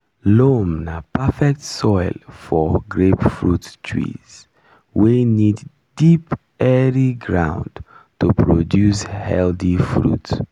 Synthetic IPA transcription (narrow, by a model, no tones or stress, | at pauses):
lomnapʰɛfɛk̚tsɔɪlˠfɔɡɹepfɹuttʰɹḭz̥ | winid | d̥ip | ɛɹiɡɹãʊ̃ndtupʰɹodjushɛ̰lθifɹṵt